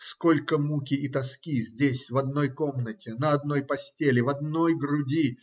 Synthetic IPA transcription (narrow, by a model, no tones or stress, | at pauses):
sko̞lʲkəmukʲɪit̪ɐskʲizʲdʲesʲvɐd̪no̞jko̞mnətʲɪnəɐd̪no̞jpɐsʲtʲelʲɪvɐd̪no̞jɡɾʊdʲi